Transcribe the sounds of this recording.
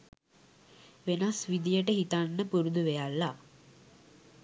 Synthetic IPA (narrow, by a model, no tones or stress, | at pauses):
ʋenasʋid̪ijəʈəɦit̪anːəpuɾud̪uʋejalːa